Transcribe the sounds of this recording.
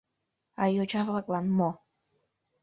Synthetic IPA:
ɑjot͡ʃɑvlˠɑklˠɑnmo

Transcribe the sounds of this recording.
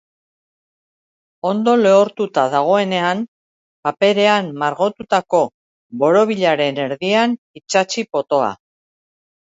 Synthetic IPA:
o̞nd̪o̞leoɾt̪ut̪aðaɣ̞o̞e̞ne̞an | pape̞ɾe̞amːaɾɣo̞t̪ut̪ako̞ | βo̞ɾo̞β̞iʎaɾe̞ne̞ɾðian | it͡ʃat͡ʃipo̞t̪o̞a̰

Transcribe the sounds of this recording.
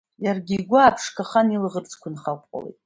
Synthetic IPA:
jarɡʲiɡʷaːpʰʂkʰaχanilʁərt͡sʰʼkʷʰʊnχakʷʼqʼa̰lḛjtʼ

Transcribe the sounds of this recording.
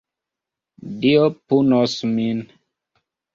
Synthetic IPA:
diopunɔsmin

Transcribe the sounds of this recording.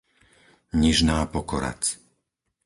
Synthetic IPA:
ɲiʒnaːpɔkɔɾa̰t͡s

